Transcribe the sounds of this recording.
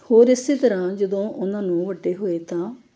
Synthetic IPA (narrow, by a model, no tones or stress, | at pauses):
hoːɾɪsːeːt̪əɾãːd͡ʒəd̪õːʔʊnãːnũːʋəɖːeːɦoːeːt̪ãː